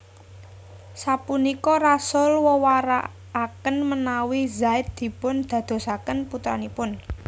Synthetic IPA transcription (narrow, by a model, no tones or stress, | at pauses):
sapunikɔrasʊlwɔwaɾa̰ː | kənmənawizaɪt̪̚d̪̥i̤pʊnd̪̥ä̤d̪̥o̤sakənput̪ɾa̰nipʊn